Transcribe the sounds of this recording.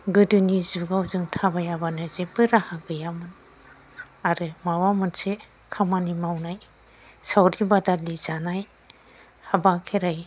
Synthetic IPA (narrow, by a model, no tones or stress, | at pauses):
ɡɯdɯnizuɡawzɯŋtʰabajabanɯzepɯɾahaɡɯjamɯn | aɾɯmawamɯnse | kʰamanimawnaj | sawɾibadalizanaj | habakʰeɾaj